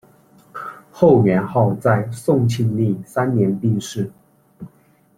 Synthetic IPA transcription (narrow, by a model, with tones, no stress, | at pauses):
xo˥˩ʊmɥɛ˧˥nxɑ˥˧ʊt͡sa˥˧ɪsʊ˥˧ŋt͡ɕʰi˥˧ŋli˥˩sa˥nnjɛ˧˥npi˥˧ŋʂɻ̩˥˩